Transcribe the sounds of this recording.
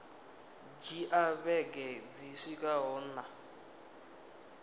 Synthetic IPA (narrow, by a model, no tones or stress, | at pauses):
d͡ʒiʔaβɛɡɛd͡zisikʼaɦɔna